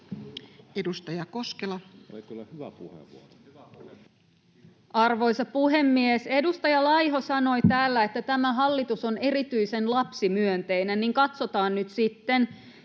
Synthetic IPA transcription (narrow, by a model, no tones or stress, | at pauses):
edust̪ɑjɑko̞skelɑ | uhḛ | ɑrʋo̞jsɑpuɦe̞mːiese̞dust̪ɑjɑlɑjɦo̞sɑno̞jt̪æːlːæet̪ːæt̪æmæɦɑlːit̪uso̞ne̞ɾit̪yjse̞nlɑpsimyønt̪e̞jnæniŋkɑt̪so̞t̪ɑːnnyt̪sit̪ːen